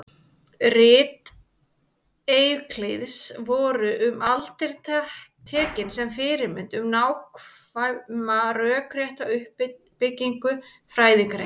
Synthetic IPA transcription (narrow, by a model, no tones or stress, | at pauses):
rɪːt̪ | ejkʰlejðsvɔːɾʏʔʏmalt̪ɪɾ̥t̪at̪ʰɛːcɪnsɛmfɪɾɪɾmɪnt̪ʏmnawk | maɾœːkʰɾjɛht̪awʏhp | pɪcːiŋkʏ | fɾaːjðɪkɾḛ